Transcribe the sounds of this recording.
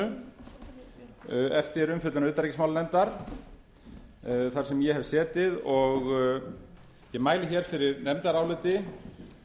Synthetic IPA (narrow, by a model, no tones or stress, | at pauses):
ʏ | ɛft̪ɪɾʏmfʏt̪lanʏːt̪aɾicɪsmaːwlnɛmt̪aɾ̥ | θaɾ̥sɛmjɛhɛvsɛːt̪ɪðɔɣ | jɛmaːjlɪçɛɾ̥fɪɾɪɾnɛmt̪aɾaːwlɪːt̪ɪ